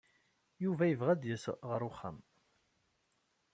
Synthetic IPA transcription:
juvæjəvʁæd̪jəsəʁəɾˤʊχːæ̰m

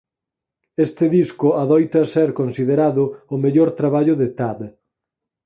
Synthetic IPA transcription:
est̪ɪðiskʊaðɔjt̪ɐsɛɾkonsiðeɾaðʊʊmeʎoɾt̪ɾaβaʎʊðet̪ad̪

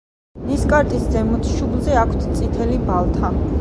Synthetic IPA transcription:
niskʼaɾt̪ʼiszɛmut̪ʰʃublˠzɛakʷʰt̪ʰt̪sʼit̪ʰɛlibalˠt̪ʰa

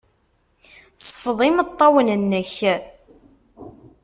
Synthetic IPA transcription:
sˤfəðˤimət̪ˤːɑwənənːəç

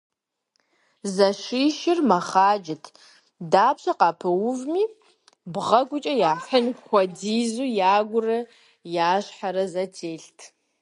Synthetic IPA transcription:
zɐʃiːʃɪrmɐχaːd͡ʒɪtʰ | daːpɕɐqɑːpʰɨwʊvmiː | bʁɐɡʷʊt͡ʃʼɐjaːħɐnxʷɔdiːzuːjaːɡʷʊrɐ | jaːɕħaɾɐzɐtʰeːɬtʰ

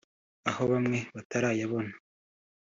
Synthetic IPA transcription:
aho̞βamŋe̞βataɾaːjaβo̞nḁ

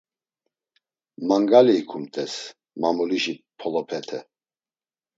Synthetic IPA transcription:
maŋɡaliːkʰumt̪ʼɛs | mamuliʒipʰɔlɔpʰɛt̪ʰɛ

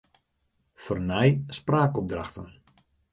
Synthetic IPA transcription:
fərnɛjspraːkɔp̚draxtən

